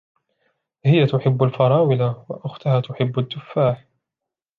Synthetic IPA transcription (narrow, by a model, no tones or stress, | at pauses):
hɪjat̪ʊħɪbːalfɑɾˤɑːwɪlawa̰ʔʊxt̪ʊhaːt̪ʊħɪbːad̪ːʊfːaːħ